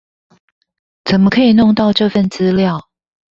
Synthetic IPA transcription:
t͡sə˨˩nmə˦kʰə˧˥i˨˩nʊ˥˧ŋt̪ɑ˥˧ʊʈ͡ʂɤ˥˧fə˥˨nt͡sɹ̩˦ljɑ˥˨ʊ

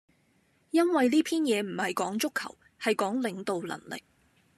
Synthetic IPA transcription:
jɐ˥nwɐ˨jliː˥pʰiː˥njɛː˨˧m̩˨˩hɐ˨jkɔː˨˥ŋt͡ʃʊ˥kʰːɐ̰˨˩w | hɐ˨jkɔː˨˥ŋlɪ˨˧ŋt̪o˨wlɐ̰˨˩ŋlɪ̰˨k̚

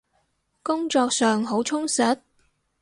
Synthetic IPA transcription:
kʊ˥ŋt͡ʃɔː˧k̚sœː˨ŋɦo˨˥wt͡ʃʰʊ˥ŋsɐ˨˥t̚

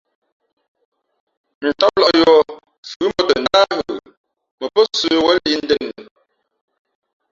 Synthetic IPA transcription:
n̩˨tɔ˦p̚lɔ˦˨ʔjɔ˦ | fʉ˨˦mɔ˦tə˨na˦u˨ | mə˨pə˦sə˦wə˦li˦n̩˦də˦˨n˨

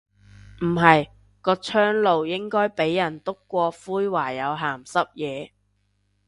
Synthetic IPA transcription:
m̩˨˩ɦɐ˨j | kɔː˧t͡ʃʰœː˥ŋlo˨wjɪ˥ŋkɔː˥jpe˨˥jːɐ˨˩nt̪ʊ˥kːʷɔː˧fuː˥jwaː˨˩jɐ˨˧wɦaː˨˩msɐ˥p̚jɛː˨˧

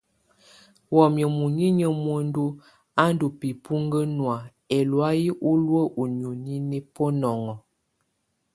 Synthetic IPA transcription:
wɔ˨mjə˨mu˨ɲi˦ɲə˦mwə˨n˦du˦ | a˦n˦du˨pi˨pu˦ŋɡə˦nwa˨ | ɛ˨lwa˦ji˦ʔu˦lwə˦ʔu˨ɲu˨ɲi˦ni˦po˦nɔ˨ŋɔ˨

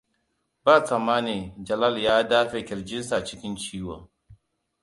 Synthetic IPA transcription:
ba˦˨t͡sa˨maː˦ne˨d͡ʒɐ˨la˦ljaː˦daː˦ɸe˨kʲɪ˨ɾd͡ʒɪ˦nsa˨t͡ʃɪ˦kʲɪ˦nt͡ʃiː˦waː˨

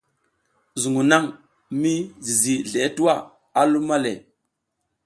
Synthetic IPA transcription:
zu˨ŋu˨na˦ŋ | mi˦zi˨zi˨ɮe˨˦tu˦wa˦˨ | a˦lu˦ma˦le˨

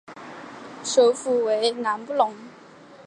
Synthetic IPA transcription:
so˨˦fu˨˩we˨˦jna˨˦mpu˦lɔ˨˦ŋ

